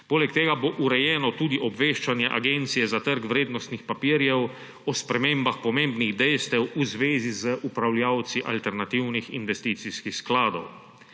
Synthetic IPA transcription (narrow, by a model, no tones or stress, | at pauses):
poːlɛkt̪eːɡaboʔuɾɛjɛːnɔt̪uːd̪iʔɔbʋeːʃt͡ʃanjɛʔaɡent̪sijɛzat̪əɾkʋɾeːd̪nɔst̪nixpapiːɾjɛw | ɔspɾɛmeːmbaxpɔmẽːmbniɣd̪ɛjst̪ɛwuzʋeːzizəʔupɾawljaːwt̪siʔalt̪ɛɾnat̪iwnixḭnʋɛst̪iːt̪siskixsklaːd̪ɔ̰w